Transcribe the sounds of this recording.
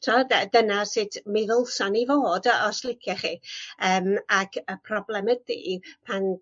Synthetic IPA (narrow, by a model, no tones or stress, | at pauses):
tʰɔdədənasɪdmɪðəlˠsanivoːdɔslˠɪkʰjɛχiːəːmakʰəpʰrɔblˠɛməd̚ðḭːpʰan